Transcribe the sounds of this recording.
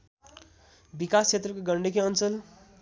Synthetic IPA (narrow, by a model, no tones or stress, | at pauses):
bikast͡sʰet̪rʌkoɡʌɳɖekeʌnt͡sʌl